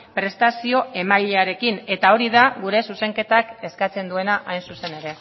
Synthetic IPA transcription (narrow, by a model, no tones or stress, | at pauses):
pɾe̞st̪asio̞e̞majʎeaɾe̞kine̞t̪ao̞ɾiðaɣuɾe̞suse̞ŋke̞t̪ake̞skat͡se̞nd̪ue̞naʔajnsuse̞ne̞ɾe̞